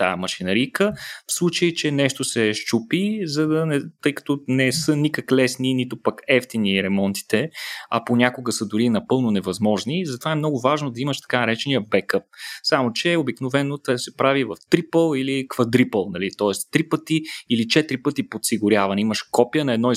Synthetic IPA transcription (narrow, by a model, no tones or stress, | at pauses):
t̪a̰mɐʃinɐɾijkəfslˠut͡ʃəjit͡ʃɛnɛʃt̪osɛʃt͡ʃupizɐd̪ɐnɛt̪ɤjkɐ̥t̪ɔnɛsɤnikəklɛsninit̪opɐkɛft̪iniɾɛmɔnt̪i̥t̪ɛɐponʲakʊɡəsəd̪ʊɾinɐpɤlˠnonɛvɐzmɔʒnizɐt̪ovaɛmnɔɡʊvaʒnod̪ɐiməʃt̪ɐ̥kanɐɾɛt͡ʃɛnijəbɛkɤp̚samot͡ʃɛobiknovɛnot̪sɛpɾavivɐft̪ɾipəlˠilikvɐd̪ɾipəlˠnɐlit̪ɔɛst̪ɾipət̪iilit͡ʃɛt̪ɾipɤt̪ipot̪siɡʊɾʲjavɐnɛiməʃkɔpijənɐɛd̪nɔi